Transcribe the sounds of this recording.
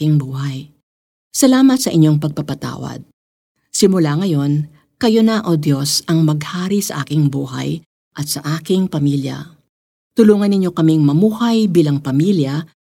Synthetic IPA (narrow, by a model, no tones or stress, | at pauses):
ɪŋbuːɦɐj | sɐlaːmɐt̪sɐʔɪɲːo̞ŋpɐɡ̚pɐpɐt̪a̰ːwɐ̰d̪̚ | sɪmʊlaŋɐjo̞n | kɐjonɐʔod̪jo̞sʔɐŋmɐɡhaːɾisɐʔaːkɪŋbuːɦɐ̰j | ʔɐt̪sɐʔaːkɪŋpɐmiljɐ̰ | t̪ʊluːŋɐnɪɲo̞kɐmiŋmɐmuːhɐjbiːlɐŋpɐmiːljɐ